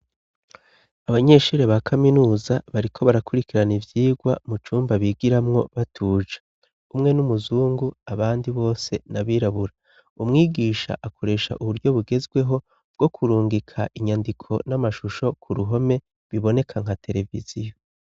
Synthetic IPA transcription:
aβaɲe̞ːʃuːɾe̞βakʰaminuːzaβaɾikʰo̞βaɾakuɾikiɾanivjiːɡwamut͡ʃuːmbaβiːɡiɾamŋo̞βatʰuːd͡ʒḁ | umŋe̞numuzuːŋɡuaβaːndiβo̞ːse̞naβiːɾaβuɾa | umŋiːɡiːʃa̰ʔakʰo̞ɾe̞ːʃa̰ʔuβuɾɟo̞βuɡe̞zɡwe̞ɦo̞ | b̚ɡ̥o̞kʰuɾuːŋɡikʰaʔiɲandikʰo̞̰namaʃuʃo̞kʰuɾuɦo̞me̞ | βiβo̞ne̞kʰaŋ̥hatʰe̞ɾe̞vḭzijo̞

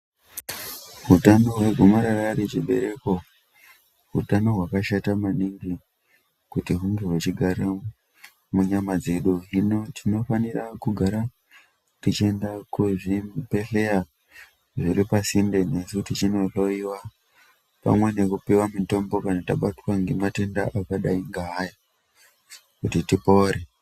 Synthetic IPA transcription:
ɦutano̞ɦwe̞ɡʱumaɾararit͡ʃiɓe̞̰ɾe̞ko̞ | ɦṵtano̞ɦwakaʃatamaniŋɡi | kutiɦuŋɡeɦwet͡ʃiɡʱaɾa | muɲamad͡ze̞ɗuɦino̞tʰino̞fanirakuɡʱaɾa | tit͡ʃie̞ndakuʐipe̞ɬea | ʐiripasindene̞suutit͡ʃino̞ɬo̞iwa | pa̰mwe̞ne̞kupiwamito̞mbo̞kanataɓatwaŋɡemate̞ndaʔakaɗaiŋɡaɦːja | kutitipo̞ɾe

